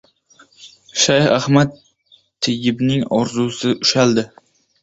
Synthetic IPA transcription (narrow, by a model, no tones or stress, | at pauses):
ʃajhahmat̪ʰː | ɪɡʲɪbnɪŋɒɾzusɪʔʊʃald̪ɪ